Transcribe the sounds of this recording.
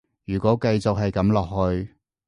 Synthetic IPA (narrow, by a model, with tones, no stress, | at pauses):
jyː˨˩kʷɔː˨˥kɐ˧jt͡sʊ˨k̚ɦɐ˨jkɐ˨˥mlɔː˨k̚hɵ˧ɥ